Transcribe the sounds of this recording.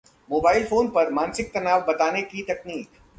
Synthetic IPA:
moːbaːɪlfoːnpɐɾmãːnsɪk̚t̪ɐnaːʋbɐt̪aːnekit̪ɐkniːk

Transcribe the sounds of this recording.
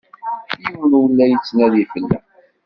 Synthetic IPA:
juwnwəlːæjət͡sːnæðifəlːæ̰

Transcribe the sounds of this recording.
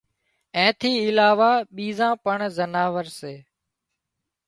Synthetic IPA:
ɛ̃ːt̪ʰiːɪlaːʋaːɓiːzãːpəɳzənaːʋəɾseː

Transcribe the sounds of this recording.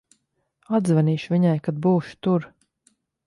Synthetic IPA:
ad̪zvaniːʃviɲajkad̪̚buːʃt̪uɾ

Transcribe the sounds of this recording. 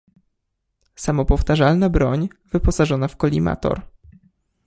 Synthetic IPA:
samɔpɔft̪aʐalnabɾɔɲvɘpɔsaʐɔnafkɔlʲima̰t̪ɔ̰ɾ

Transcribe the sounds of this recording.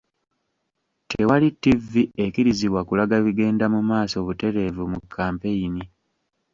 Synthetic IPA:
tʰewalitːivːiekiɾiziβwakulaɡaβiɡe̞ːndamumaːso̞βute̞ɾe̞vumukʰːaːmpe̞jini

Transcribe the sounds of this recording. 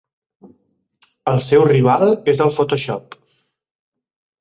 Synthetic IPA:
əlˠsɛwriβalˠezəlˠfot̪oʃɔ̰p

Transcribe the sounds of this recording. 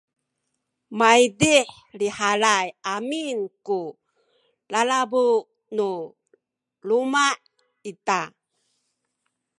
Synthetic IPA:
maidiħ | liħalajaminku | lalabu | nu | lumaʔ | ita

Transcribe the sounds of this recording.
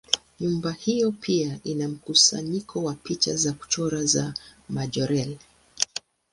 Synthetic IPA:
ɲumbahijɔpʰiaʔinam̩kusa̰ɲikʰɔwapit͡ʃa̰zaku̥t͡ʃɔɾazamaʄɔɾɛl

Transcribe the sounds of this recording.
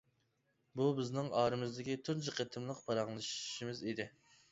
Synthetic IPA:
bubɪznɪŋɑːɾɨmɨzd̪ɪkʲit̪ʰʊɾd͡ʒɨqʰet̪ʰɨmlˠəqpʰɑɾɑŋlˠɨʃʃimɪzid̪ɪ

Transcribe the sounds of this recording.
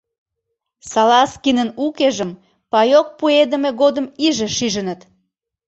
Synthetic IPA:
sɑlɑskinənukeʒəm | pɑjok̚pued̪ə̆meɣod̪əmiʒeʃiʒənət̪

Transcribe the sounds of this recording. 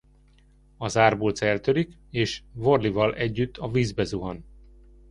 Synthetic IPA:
ɒzaːrboːlt̪sɛlt̪ølik | eːʃvo̞rlivɒlɛɟːyt̪ːɒviːzbɛzuɦɒn

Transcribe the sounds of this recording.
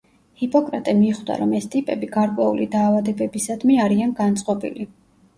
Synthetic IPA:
hipʼɔkʼɾat̪ʼɛmiχd̪a̰ɾɔmɛst̪ʼipʼɛbiɡaɾkʼwɛṵlid̪aːvad̪ɛbɛbisad̪miaɾianɡant̪sʼqʼɔbḭli

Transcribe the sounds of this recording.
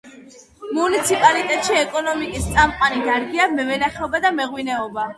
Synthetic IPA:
munit̪sʰipʼalit̪ʼɛt̪ʼʃiɛkʼɔnɔmikʼist̪sʼamqʼaniɡaɾɡiamɛvɛnaχɛɔbad̪amɛʁwinɛɔba

